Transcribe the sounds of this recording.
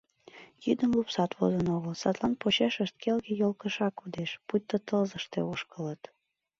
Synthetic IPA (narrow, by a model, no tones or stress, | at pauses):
jyd̪əmlupsɑt̪vo̰zənoɣəlsɑt̪lˠɑnpot͡ɕeʃəʃt̪̚kelɣejolkəʃɑkud̪eʃput̪ːət̪əlzəʃt̪euʃkələt̪